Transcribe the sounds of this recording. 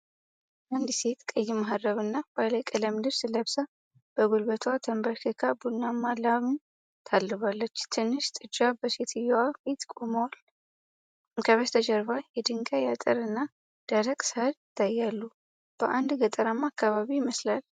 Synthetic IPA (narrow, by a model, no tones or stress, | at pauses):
ʔand̪se̞t̪kʼəjːɪmaɦaɾəβɨnːab̥aləkʼələmd̪ɨβsɨləβsa | b̥əɡolbət̪ʰwat̪ʰəmbəɾkʰekʰabunːamːalaβun | t̪ʰalːɨβalːət͡ʃːt̪ʰɨnːɨʃt̪ʼɨd͡ʒabəset̪ʰɨjːɛwabet̪kʼoməwal | kʰəβəst̪ʰəd͡ʒəɾβajɛd̪ɨŋɡajat̪ʼəɾɨnːa | d̪̥aɾəkʼsəhəd̪ɪt̪ʰːajːalːu | b̥əʔand̪ɡət̪ʼəɾamːakːaβaβijɪməslal